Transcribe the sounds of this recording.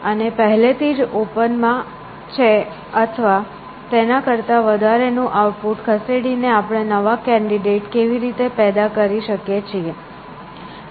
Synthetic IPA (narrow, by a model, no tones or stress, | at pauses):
ənepəɦlet̪ʰid͡ʒopənmã | t͡ʃʰe | ət̪ʰəʋa | t̪enakəɾt̪aʋəd̪ʱaɾenũʔauʈ̚puʈkʰəseɽineapɽ̃enəʋakɛ̃ɳɖiɖeʈkeʋiɾit̪epɛd̪akəɾiʃəkjet͡ʃʰie